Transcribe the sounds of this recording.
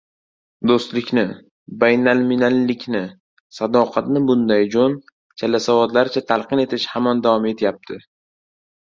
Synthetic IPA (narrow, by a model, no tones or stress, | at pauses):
d̪ost̪lɪkʲnɪ | bajnalmɪnanlɪkʲʰnɪ | sad̪ɒqʰɑt̪nɪbʊnd̪ajd͡ʒon | t͡ʃʰalasavɒd̪laɾɪt͡ʃʰat̪ʰalˠqɨne̞t̪ʰɪʃhamand̪avɒme̞t̪ʰɪjap̚t̪ʰɪ